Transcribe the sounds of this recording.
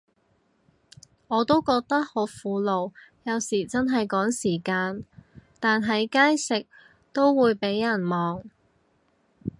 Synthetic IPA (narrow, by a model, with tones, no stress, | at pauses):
ŋɔː˨˧t̪o˥wkɔː˧k̚t̪ɐ˥k̚ho˨˥wfuː˨˧lo˨wjɐ˨˧wsiː˨˩t͡sɐ˥nɦɐ˨jkɔː˨˥ŋsiː˨˩kaː˧nt̪aː˨nɦɐ˨˧jkaː˥jsɪ˨k̚ | t̪o˥wːuː˨˧jpe˨˥jjɐ˨˩nmɔː˨ŋ